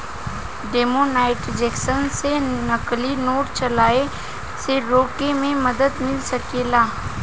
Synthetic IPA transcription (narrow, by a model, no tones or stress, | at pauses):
ɖeːmonaːɪʈd͡ʒeːksənsenɐklinoːʈt͡ʃɐlaːe | seɾoːkemẽmɐd̪əd̪mɪlsɐkeːlaː